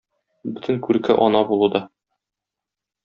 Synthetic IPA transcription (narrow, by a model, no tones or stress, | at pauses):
bɵt̪ɘ̆ŋkʉɾkæ̰ʔɒnɑbulˠud̪ɒ